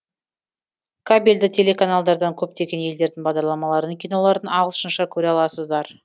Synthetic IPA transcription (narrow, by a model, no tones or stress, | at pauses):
kʰabʲilʲd̪ɪt̪ʲʰe̞le̞kʰanalˠd̪ɑɾd̪ɑŋkʲʰɵp̚t̪e̞ɡʲe̞nje̞ld̪e̞ɾd̪ɪŋbɑʁd̪ɑɾlˠɑmɑlˠɑɾənkʲijnoɑɾd̪ənɑllˠʃənʃɑkʲʰɵɾeɑlˠɑsəzd̪ɑɾ